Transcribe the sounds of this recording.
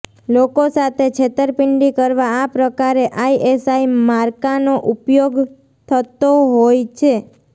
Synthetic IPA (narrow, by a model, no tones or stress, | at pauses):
lokosat̪ʰet͡ʃʰet̪əɾpɪɳɖikəɾʋaːpɾəkaɾeʔaiʔesaimaɾkanoʔupjoɡ | t̪ʰət̪oɦojt͡ʃʰe